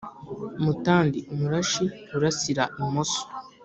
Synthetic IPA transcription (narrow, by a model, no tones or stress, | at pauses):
umutaːndiumuɾaʃiuɾasiɾaimoso̥